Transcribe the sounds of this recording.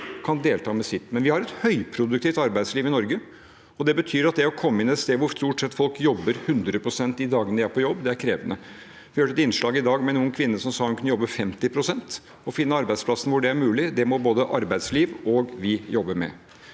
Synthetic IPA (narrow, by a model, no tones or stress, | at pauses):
kʰɑnd̪eːlt̪ʰɑːmɛsɪt̪ːmɛnʋɪhɑɾɛt̪hœʏpʰɾʊd̪ʉk̚t̪iːft̪ɑɾbæɪd̪sliːʋɪnɔɾɡə | ɔd̪ɛbət̪ʰyːɾɑt̪̚d̪ɛɔkʰɔmːəɪnːɛt̪st̪eːʋʊɾst̪uːʈsɛt̪ːfɔlkjɔbːəɾhʉnd̪ɾəpʰɾʊsɛnt̪ɪd̪ɑːɡənəʋɪæɾpʰɔjɔbːd̪ɛæɾkʰɾeːʋənə | ʋɪhøːəɛt̪ɪnʂɭɑːɡɪd̪ɑːɡmɛnuːənkʰʋɪnːəʂɔmsɑːhʉnkʰʉnəjɔbːəfɛmt̪ɪpʰɾʊsɛnt̪ | ɔfɪnːəɑɾbæɪd̪spʰlɑsən̩ʋʊɖɛæɾmʉːlɪd̪ɛmɔboːd̪əʔɑɾbæɪd̪sliːʋɔɡʋɪjɔbːəɾmɛ̰